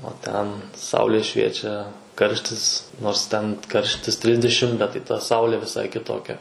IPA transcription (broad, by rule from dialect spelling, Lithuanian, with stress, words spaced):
oː ˈtʲɛn ˈsɐʊlʲeː ˈʃʲʋʲiɛt͡ʃʲɛ ˈkɐrʲʃʲtʲɪs noːrs ˈtʲɛn ˈkɐrʲʃʲtʲɪs ˈtʲrʲɪzʲdʲɛʃʲɪm bʲɛt tɐɪ tɐ ˈsɐʊlʲeː ʋʲɪˈsɐɪ kʲɪˈtoːkʲɛ